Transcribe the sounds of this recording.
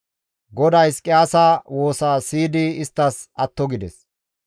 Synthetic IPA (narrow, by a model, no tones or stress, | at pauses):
ɡɔd̪ɐjskʼɪaːsaːwo̞ːsaːsiːd̪ɪɪst̪ːɐsɐt̪ːɔɡɪd̪ɛs